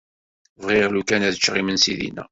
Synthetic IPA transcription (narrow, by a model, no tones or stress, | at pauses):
vʁɪʁlukænæðət͡ʃːʁimənsḭðḭnæ̰